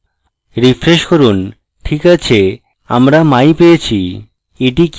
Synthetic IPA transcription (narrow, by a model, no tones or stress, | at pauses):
ɾifɾeʃkoɾun | ʈʰikat͡ɕʰe | a̰mɾamajpejet͡ɕʰi | eʈik